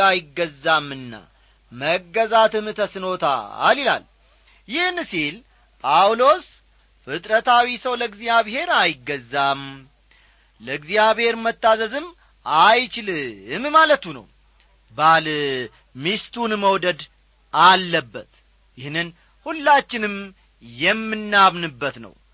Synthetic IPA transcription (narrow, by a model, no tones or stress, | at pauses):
ajɪɡːəzːamːɨnːa̰ | məɡːəzat̪ɨmt̪ʰəsɨno̞t̪ʰa̰ːlila̰l | jɪhnsil | pʼawlo̞s | fɨt̪ʼɾət̪ʰawisəwləɨɡzijaβhe̞ɾajɪɡːəzːam | ləɨɡzjaβhe̞ɾmət̪ːazəzɨm | ʔajt͡ʃɪlɨmmalət̪unə̰w | bal | mist̪ʰunməwd̪əd̪ | ʔalːəbːət̪ | jɪhnːɨn | hulːat͡ʃːɪnɨm | jɛmːɨnːamnɨbːət̪nə̰w